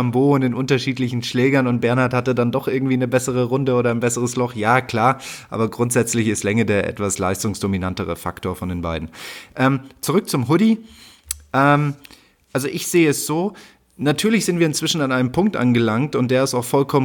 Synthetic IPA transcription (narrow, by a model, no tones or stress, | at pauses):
amboːʊntɪnʔʊntɐʃiːtlɪçn̩ʃlɛːɡɐnʊnt̚b̥ɛɐnhaɐthatədandɔχʔɪɐɡŋ̩tv̥iːnəbɛsəʁ̞əʁʊndəoːɾɐaɪnbɛsəʁəslɔχjaːkʰl̥aːɐʔa̰ːbɐɡʁʊntz̥ɛt͡slɪçɪstlɛŋədeːɐʔɛ̰tv̥aslaɪstʊŋsd̥ominantəʁə̰fa̰ktoːɐfɔndeːnba̰ɪdn̩ʔɛːmt͡suʁʏk̚t͡sʊmɦʊdi | ʔɛːm | ʔalzoʔɪçz̥eːəɛsz̥oː | natʰyːɐlɪçz̥ɪntv̥iːɐɪnt͡sv̥ɪʃn̩anʔaɪnəmpʰʊŋk̚tʔa̰nɡəlaŋktʊnt̚d̥eːɐɪstaʊxfɔlkʰɔmə